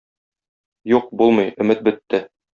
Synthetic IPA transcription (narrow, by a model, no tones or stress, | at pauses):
juq̚bulˠmɤjɵ̆mɘt̪̚bɘ̆t̪ːɘ